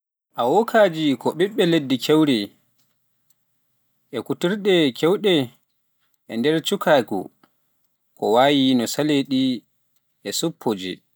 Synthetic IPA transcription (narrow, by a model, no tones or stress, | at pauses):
ʔawɔkʰaːd͡ʒikɔɓiɓːɛledːikʰɛwɾɛ | ʔɛkutiɾɗɛkʰɛwɗɛ | ʔɛndɛɾt͡ʃukʰaːkṵ | kʰɔ̰waːjinɔsaleɗi | ʔɛsupʰːod͡ʒḭ